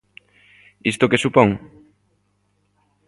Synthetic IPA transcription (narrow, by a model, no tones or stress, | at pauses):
ist̪okesupoŋ